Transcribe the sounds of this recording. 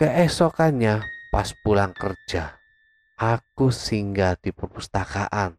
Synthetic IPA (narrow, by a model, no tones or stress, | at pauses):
kəʔɛsɔkaɲapaspulaŋkər̥d͡ʒ̥a | ʔakusiŋɡad̪̥i̤pərpust̪aka̰ʔan